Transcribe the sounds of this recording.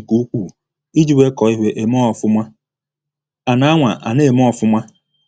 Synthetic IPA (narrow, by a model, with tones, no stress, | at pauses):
ku˦u˦kʷu˦˨ | i˦d͡ʒi˦we˦kɔ˨i˦ɦʷe˦ʔe˨mɔ˦ɔ˨fʊ˦mʷa˦ | a˨na˦a˦ŋʷa˨ʔa̰˨ne˦˨mɔ˦ɔ˨fʊ˦mʷa˦